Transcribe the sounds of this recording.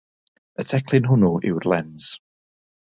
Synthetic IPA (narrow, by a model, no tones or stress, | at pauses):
ətʰɛkʰlˠɪnɦʊnɔʔɪ̰wrlɛnz̥